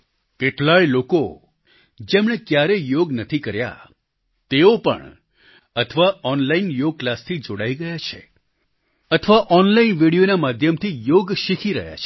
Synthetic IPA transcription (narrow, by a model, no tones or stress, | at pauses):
keʈlajloko | d͡ʒemɽ̃ekjaɾejoɡnət̪ʰikəɾja̰ | t̪eopə̰ɳ | ət̪ʰəʋaɔnlainjoɡ̚klast̪ʰid͡ʒoɽaiɡəjat͡ʃʰḛ | ət̪ʰəʋaʔɔnlainʋiɽijonamad̪ʱjəmt̪ʰijoɡʃikʰiɾə̰ɦja̰t͡ʃʰe̥